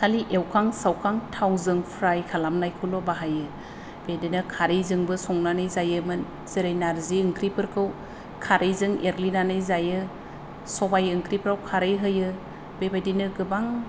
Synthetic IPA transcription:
saliʔewkʰaŋsawkʰaŋtʰawzɯŋpʰɾajkʰalamnajkʰulɔbaɦajɯ | b̥edenɯkʰaɾɯjzɯŋbɯsɔŋnanɯjzajɯmɯn | z̥iɾɯjnaɾziɯŋkɾipɯɾkʰɯw | kʰaɾɯjzɯŋeɾlinanɯjzajɯ | sɔbajɯŋkɾipɾawkʰaɾɯjɦɯjɯ | bebajdinɯɡɯbaŋ

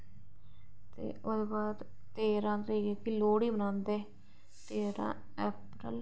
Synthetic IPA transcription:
t̪ḛːʔod̪eːbaːɾ | t̪eːɾãːt̪ɾiːɡɛːkiloːɽiːbənãːnd̪eː | t̪eːɾã̰ː | ɛːpɾə̰l

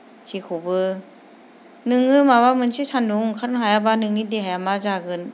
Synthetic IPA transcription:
sʰikʰubɯ | nɯŋɯmawamɯnsʰisʰanduŋkʰanɦajabanɯŋːidiɦajamazaɡɯn

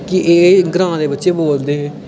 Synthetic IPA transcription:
kɪʔeːɡɾãːd̪eːbətːʃeːboːld̪eːɦẽː

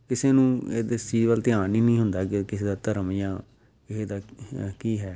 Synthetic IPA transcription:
kɪseːnũːeːd̪esiːʋəlt̪ɪaːnĩːnĩːɦʊnd̪aːkɪkɪseːd̪aːt̪əɾəmjãː | kɪseːd̪aːkiːɦɛː

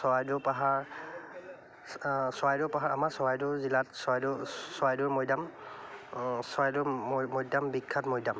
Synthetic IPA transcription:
sɔajdʊpaɦaɹ | sɔajdʊpaɦaɹamaɹsɔwajdʊzilatsɔajdʊsɔwajdʊɹmɔjdam | sɔajdʊmɔjdambikʰːat̚mɔjdam

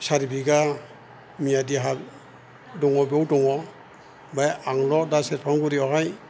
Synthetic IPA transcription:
saɾibiɡa | miadiɦa | dɔŋɔbiɔwdɔŋɔ | bajaŋlɔdasɛtpʰaŋɡuɾiɔɦaj

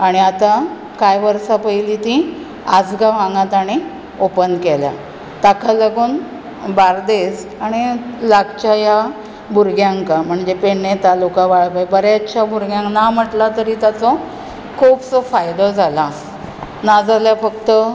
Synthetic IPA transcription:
aɽ̃iat̪a | kajʋəɾsapəjlit̪ĩ | ad͡zɡaʋãŋɡãt̪aɽ̃i | opənd̪kelja̰ | t̪akʰalaɡuːn | baɾd̪es | aɽ̃ilaɡt͡ɕaja | bʱuɾɡjãŋkam̤əɳd͡zepeɳːet̪alukãʋaɭpajbəɾeətːɕʰabʱuɾɡjãŋknam̤əʈlat̪əɾit̪jat͡sɔ | kʰuːbsɔfajd̪ɔd͡zʱala | nad͡zʱaljafəkt̪ə

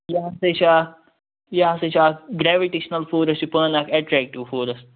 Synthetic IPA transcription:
jaːset͡ʃaː | jaːset͡ʃaːɡɾɛʋiʈeʃɐnɐlfoːɾɐstupəːnakɛʈɾɛːk̚ʈiʋfoːɾɐsʈ̚

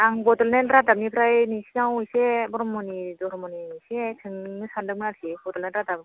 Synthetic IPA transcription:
aŋbɔdɔlnenɾadap̚nipʰɯɾajnisinawisɛbɔɾɔmːɔnidɔɾɔmɔninisetʰɯŋnɯsandɯk̚mɯnaɾsʰibɔdɔlnenɾadap

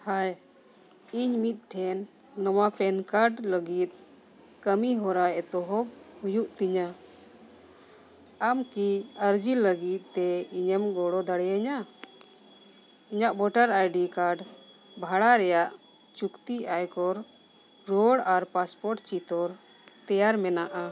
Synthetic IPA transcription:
haj | iɲmit̪̚ˀʈʰɛnː | ɔwapʰɛnkaɾɖləɡit̪̚ | kəmiɦɔɾaɛt̪ɔɦɔb̚hujuʔt̪iɲa | amkiəɾd͡ʒiləɡit̪̚ˀt̪ɛiɲəmɡɔɽɔd̪aɽɛjaɲa | iɲaʔbɔʈəɾajɖikaɾɖ | bʱaɽaɾɛjaʔ | t͡ʃukt̪iajkɔɾ | ɾɔɽaɾpaspɔɾʈt͡ʃit̪ɔɾ | t̪ɛjaɾmɛnaʔa

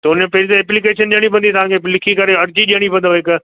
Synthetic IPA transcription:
t̪ɐʊnẽpɐɦɾit̪eɛːplikeːʃənɗiəɽ̃ipɐ̃nd̪it̪ɐʋ̤ãːkʰelɪkʰikɐɾeɐɾd͡ʑiɗijəɽ̃ipɐ̃nd̪oɦɪk

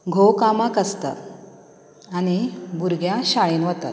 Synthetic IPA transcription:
ɡʱokamakəst̪a̰t̪ | añibuɾɡʱjaɕaɭenʋət̪a̰t̪̚

